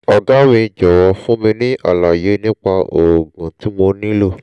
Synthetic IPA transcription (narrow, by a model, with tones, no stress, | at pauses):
ɔ˧ɡa˦mĩ˧d͡ʒɔ˨wɔ˧fũ˦mĩ˧nĩ˦ʔa̰˦˨la˨je˨˦nĩ˦k͡pa˧ʔo˨ɡũ˨ti˨˦mo˧nĩ˦lo˦˨